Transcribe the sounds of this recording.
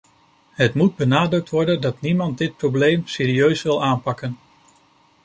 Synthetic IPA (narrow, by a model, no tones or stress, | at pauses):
ɦətmud̚bənaːdɾɵk̚tʋɔɹdəndɑtnimɑntdɪt̚prowblejmseːɾiøɥsʋɪlˠaːnpɑkən